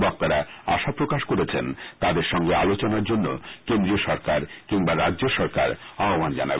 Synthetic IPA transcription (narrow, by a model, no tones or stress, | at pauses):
bɔk̚t̪aɾaa̰ʃapɾokaʃkoɾet͡ɕʰent̪ad̪eɾʃɔŋɡea̰lot͡ɕonaɾd͡ʑonːo̰kend̪ɾioʃɔɾkaɾkiŋbaɾadʑoʃɔɾka̰ɾaomand͡ʑa̰na̰be